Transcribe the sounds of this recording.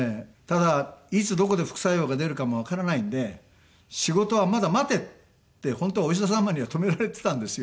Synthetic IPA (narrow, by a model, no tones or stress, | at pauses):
et̪ad̪ait͡sɨd̪o̞ko̞d̪eɸɯ̟̥kɯ̟̥sajo̞ːɡad̪e̞ɾɯ̟kamo̞β̞akaɾanaĩnd̪e̞ | ɕiɡo̞t̪o̞βamad̪amat̪e̞t̪ː | e̞hõ̞nt̪ooiɕ̬d̪asamːaɲ̟iβat̪o̞me̞ɾaɾe̞t̪e̞̥t̪ãnd̪e̞sɨjo